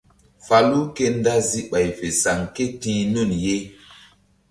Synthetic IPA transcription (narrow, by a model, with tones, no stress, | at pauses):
fa˨lu˦ke˦nda˦zi˦ɓa˨jfe˨sa˨ŋke˦tĩː˨˦nu˦˨nje˦